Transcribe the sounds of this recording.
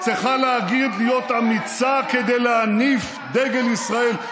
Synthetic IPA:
t͡siχaleaɡid̪lijo̞t̪amit͡saked̪ejleanif | d̪eɡelisʁae̞l

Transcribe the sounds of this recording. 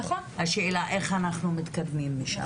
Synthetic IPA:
χohaʃeːlaʔe̞χanaχnumit̪kad̪mimːiʃa̰

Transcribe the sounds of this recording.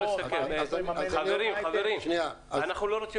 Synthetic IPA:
eʃakeχaveɾimaveʁimnia | anaχnuloʁot͡si

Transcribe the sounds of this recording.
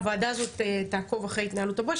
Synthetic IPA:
vaːd̪azo̞t̪et̪aːko̞vaχʁe̞jit̪naːlutabo

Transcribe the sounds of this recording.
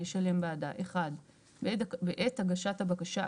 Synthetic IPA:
eʃale̞mbaadaʔe̞χad | beʔethaɡaʃathabakaʃa

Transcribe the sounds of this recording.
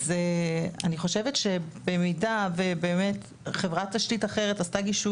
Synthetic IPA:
zeaniχo̞ʃe̞vetʃe̞bemidave̞be̞ːme̞t | χe̞vʁat̪ːaʃtitaχe̞ʁetastaɡiʃu

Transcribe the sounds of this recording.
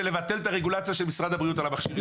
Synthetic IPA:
ele̞vat̪e̞lt̪aʁeɡulat͡sjaʃelmisʁad̪abʁijut̪alamaχʃiv

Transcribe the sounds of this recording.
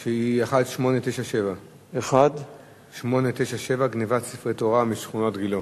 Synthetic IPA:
ʃeiaχadʃmo̞net̪ejʃaʃeva | eχad̪ | ʃmo̞net̪ejʃaʃevaɡnivatsifʁetoʁamiʃχunotɡilo

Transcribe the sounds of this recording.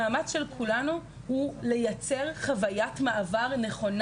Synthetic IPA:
aːmat͡sʃe̞lkʰulanu | hule̞jat͡se̞ʁχavajatmaʔavaʁne̞χo̞n

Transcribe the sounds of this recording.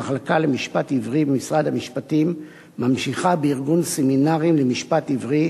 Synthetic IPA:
aχlakalemiʃpativʁibemisʁad̪hamiʃpatimː | amʃiχabeiʁɡunseminaʁimlemiʃpativʁi

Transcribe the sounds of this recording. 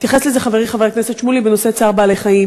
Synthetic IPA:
t̪jaχeslezeχaveʁiχaveʁekneset̪ʃmulibeno̞se̞t͡saʁbaːlejχaim

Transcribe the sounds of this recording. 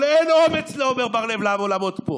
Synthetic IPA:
leenomet͡sleomeʁbaʁlevlavolamo̞t̪po

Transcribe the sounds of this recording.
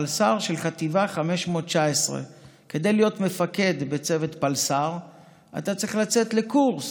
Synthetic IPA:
lsaʁʃelχat̪ivaχame̞ʃmo̞t̚t͡ʃaesʁḛ | ke̞d̪e̞jlijo̞t̪me̞fake̞d̪be̞t͡se̞ve̞t̪palsaʁ | ʔa̰t̪at͡sʁiχlat͡se̞t̪le̞kuʁs

